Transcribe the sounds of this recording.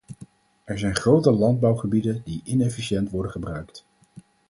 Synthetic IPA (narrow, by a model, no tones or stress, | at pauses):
ɛɹzɛjnχrowtəlɑnd̚bɑwχəbidəndiʔɪnɛfiʃɛntʋɔɹdəχəbrœɥkt